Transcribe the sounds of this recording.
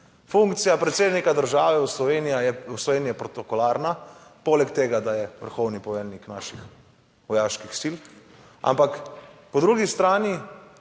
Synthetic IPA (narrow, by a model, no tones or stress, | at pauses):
fuŋkt̪sijapɾɛt̪seːd̪nikad̪əɾʒaːʋɛwslɔʋeːnijajɛwslɔʋeːnijɛpɾɔt̪ɔkɔlaːɾnapoːlɛkt̪eːɡad̪ajɛʋə̰ɾxɔwnipɔʋɛlniknaːʃix | ʋɔjaːʃkixsil | a̰mpakpɔd̪ɾuɡist̪ɾaːni